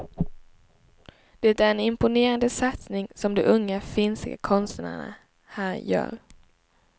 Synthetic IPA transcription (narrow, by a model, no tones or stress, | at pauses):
d̪̥ɛt̪æɾɛnɪmpʊneːɾand̪əsat̪snɪŋsɔmd̪ɛʔɵŋːafɪnsɡa̰kʰɔnst̪ːa̰ɳa̰ | hæːɾjœ̰ːɾ